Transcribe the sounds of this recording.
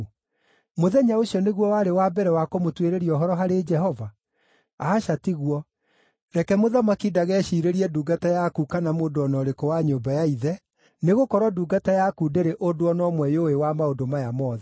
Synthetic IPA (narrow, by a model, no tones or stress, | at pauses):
moðɛɲaoɕjɔneɣwɔwaɾewabɛɾɛwakomotweɾeɾiɔɦɔɾɔɦaɾed͡ʒɛhɔva | aːʃatiɣwɔ | ɾɛkɛmoðamakidaɣɛʃiɾeɾiɛduːɡatajakukanamoːndoɔnɔɾekowaɲoːmbajaiðɛ | neɣokɔɾwaduːɡatajakudeɾeʔodoɔnɔmwɛjowewamaodomajamɔːðɛ